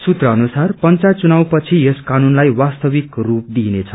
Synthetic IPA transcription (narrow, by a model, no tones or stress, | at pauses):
sut̪rʌːnusarpʌnt͡sat͡sunaw̃pʌt͡sʰijeskanunlajwast̪ʌbikrup̚d̪inet͡sʰʌ